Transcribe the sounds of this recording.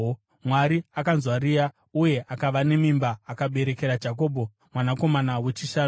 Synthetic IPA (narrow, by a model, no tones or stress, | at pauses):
mwaɾiakanzwaɾiːja | uje̞ʔakaʋane̞mimbaːkaɓe̞ɾe̞ke̞ɾad͡ʒako̞ːbʱo̞ | mwanako̞manawe̞t͡ʃiʃaː